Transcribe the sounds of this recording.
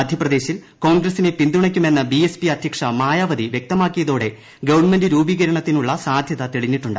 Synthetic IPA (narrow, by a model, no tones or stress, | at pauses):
ɐd̪ʱjɐprɐd̪e̞ːɕil | ko̞ːnɡrɐsine̞pind̪uɳɐkʲːume̞nːɐbiespiɐd̪ʱjɐkʂɐmaːjaːʋɐd̪iʋje̞k̚t̪ɐmaːkːijɐðoːɽe̞ | ɡɐʋɐɳɨme̞ndɨɾuːbiːɣɐɾɐɳɐt̪ːinuɭːɐsaːd̪ʱjɐðɐt̪eɭiɲːiʈːuɳɖɨ